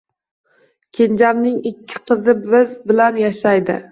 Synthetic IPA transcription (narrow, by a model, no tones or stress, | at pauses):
kʲʰend͡ʒamnɪŋɪkʲʰːɪ̥qʰɨzɪbɪzbɪlanjaʃajd̪ɪ̰